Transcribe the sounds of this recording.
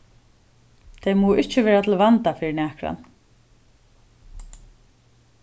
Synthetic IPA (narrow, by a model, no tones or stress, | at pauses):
t̪ʰejmuːwɪht͡ʃɪvɛːɾat̪ʰɪlvant̪afɪɾɪnɛːkɾa̰n